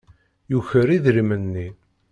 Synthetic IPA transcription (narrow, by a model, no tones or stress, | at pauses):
juçəɾiðɾimənːi